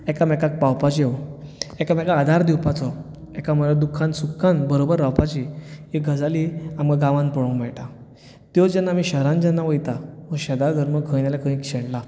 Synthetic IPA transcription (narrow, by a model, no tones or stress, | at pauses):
ɛkamɛkak̚pawpat͡ɕe | ɛkamɛkaːd̪ʱaɾd̪iwpat͡sɔ | ɛkamuɭɭad̪ukʰːãnsukʰːanbəɾobəɾːawpat͡ɕiiɡʱəd͡zaliamɡaɡãʋãnpəɽũmɛɭʈa | t̪jɔd͡ʑanːamiɕəɾãnd͡ʑanːaʋəjt̪aməɕəd̪ad̪ʱəɾməɡʱənjalakə̃ĩkɕɛɽla